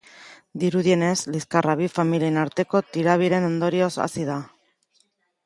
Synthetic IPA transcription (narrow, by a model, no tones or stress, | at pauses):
d̪iɾuðie̞ne̞zliskaraβ̞ifamilienaɾt̪e̞ko̞t̪iɾaβiɾe̞no̞nd̪o̞ɾio̞sa̰sið̞a